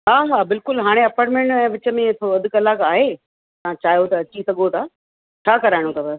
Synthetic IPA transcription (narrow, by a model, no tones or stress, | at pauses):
ɦaːʋaːbɪlkʊlɦaːɽ̃eɐpaːɾʈmẽɳʈɛ̃ːʋɪt͡ɕə̆mẽt̪ʰoɐd̪ʱʊ̆kɐlaːkaːɦeː | t̪ɐãt͡ɕaːɦjot̪ɐɐt͡ɕisɐɠot̪ʰaː | t͡ɕʰaːkɐɾaːɪɽot̪ʰaːbɐs